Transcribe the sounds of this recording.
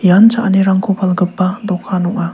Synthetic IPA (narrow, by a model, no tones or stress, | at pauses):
jant͡ʃaʔniɾaŋkʰupʰalɡɯpːadɔkʰːanɔŋa